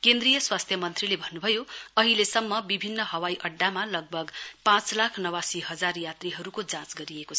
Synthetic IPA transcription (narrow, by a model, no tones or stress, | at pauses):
kend̪rijʌswast̪ʰjʌmʌnt̪rilebʱʌnːubʱʌjoʌɦilesʌmːʌbibʱinːʌɦʌwajʔʌɖːamalʌɡ̚bʱʌɡpãt͡slakʰnʌwasiɦʌd͡zarjat̪riɦʌɾukod͡zãt͡sɡʌɾijekot͡sʰʌ